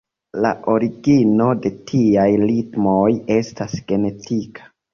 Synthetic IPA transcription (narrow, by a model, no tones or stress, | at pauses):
la̰ʔo̞ɾiɡino̞de̞tʰiajlitmoje̞stasɡe̞ne̞tikʰḁ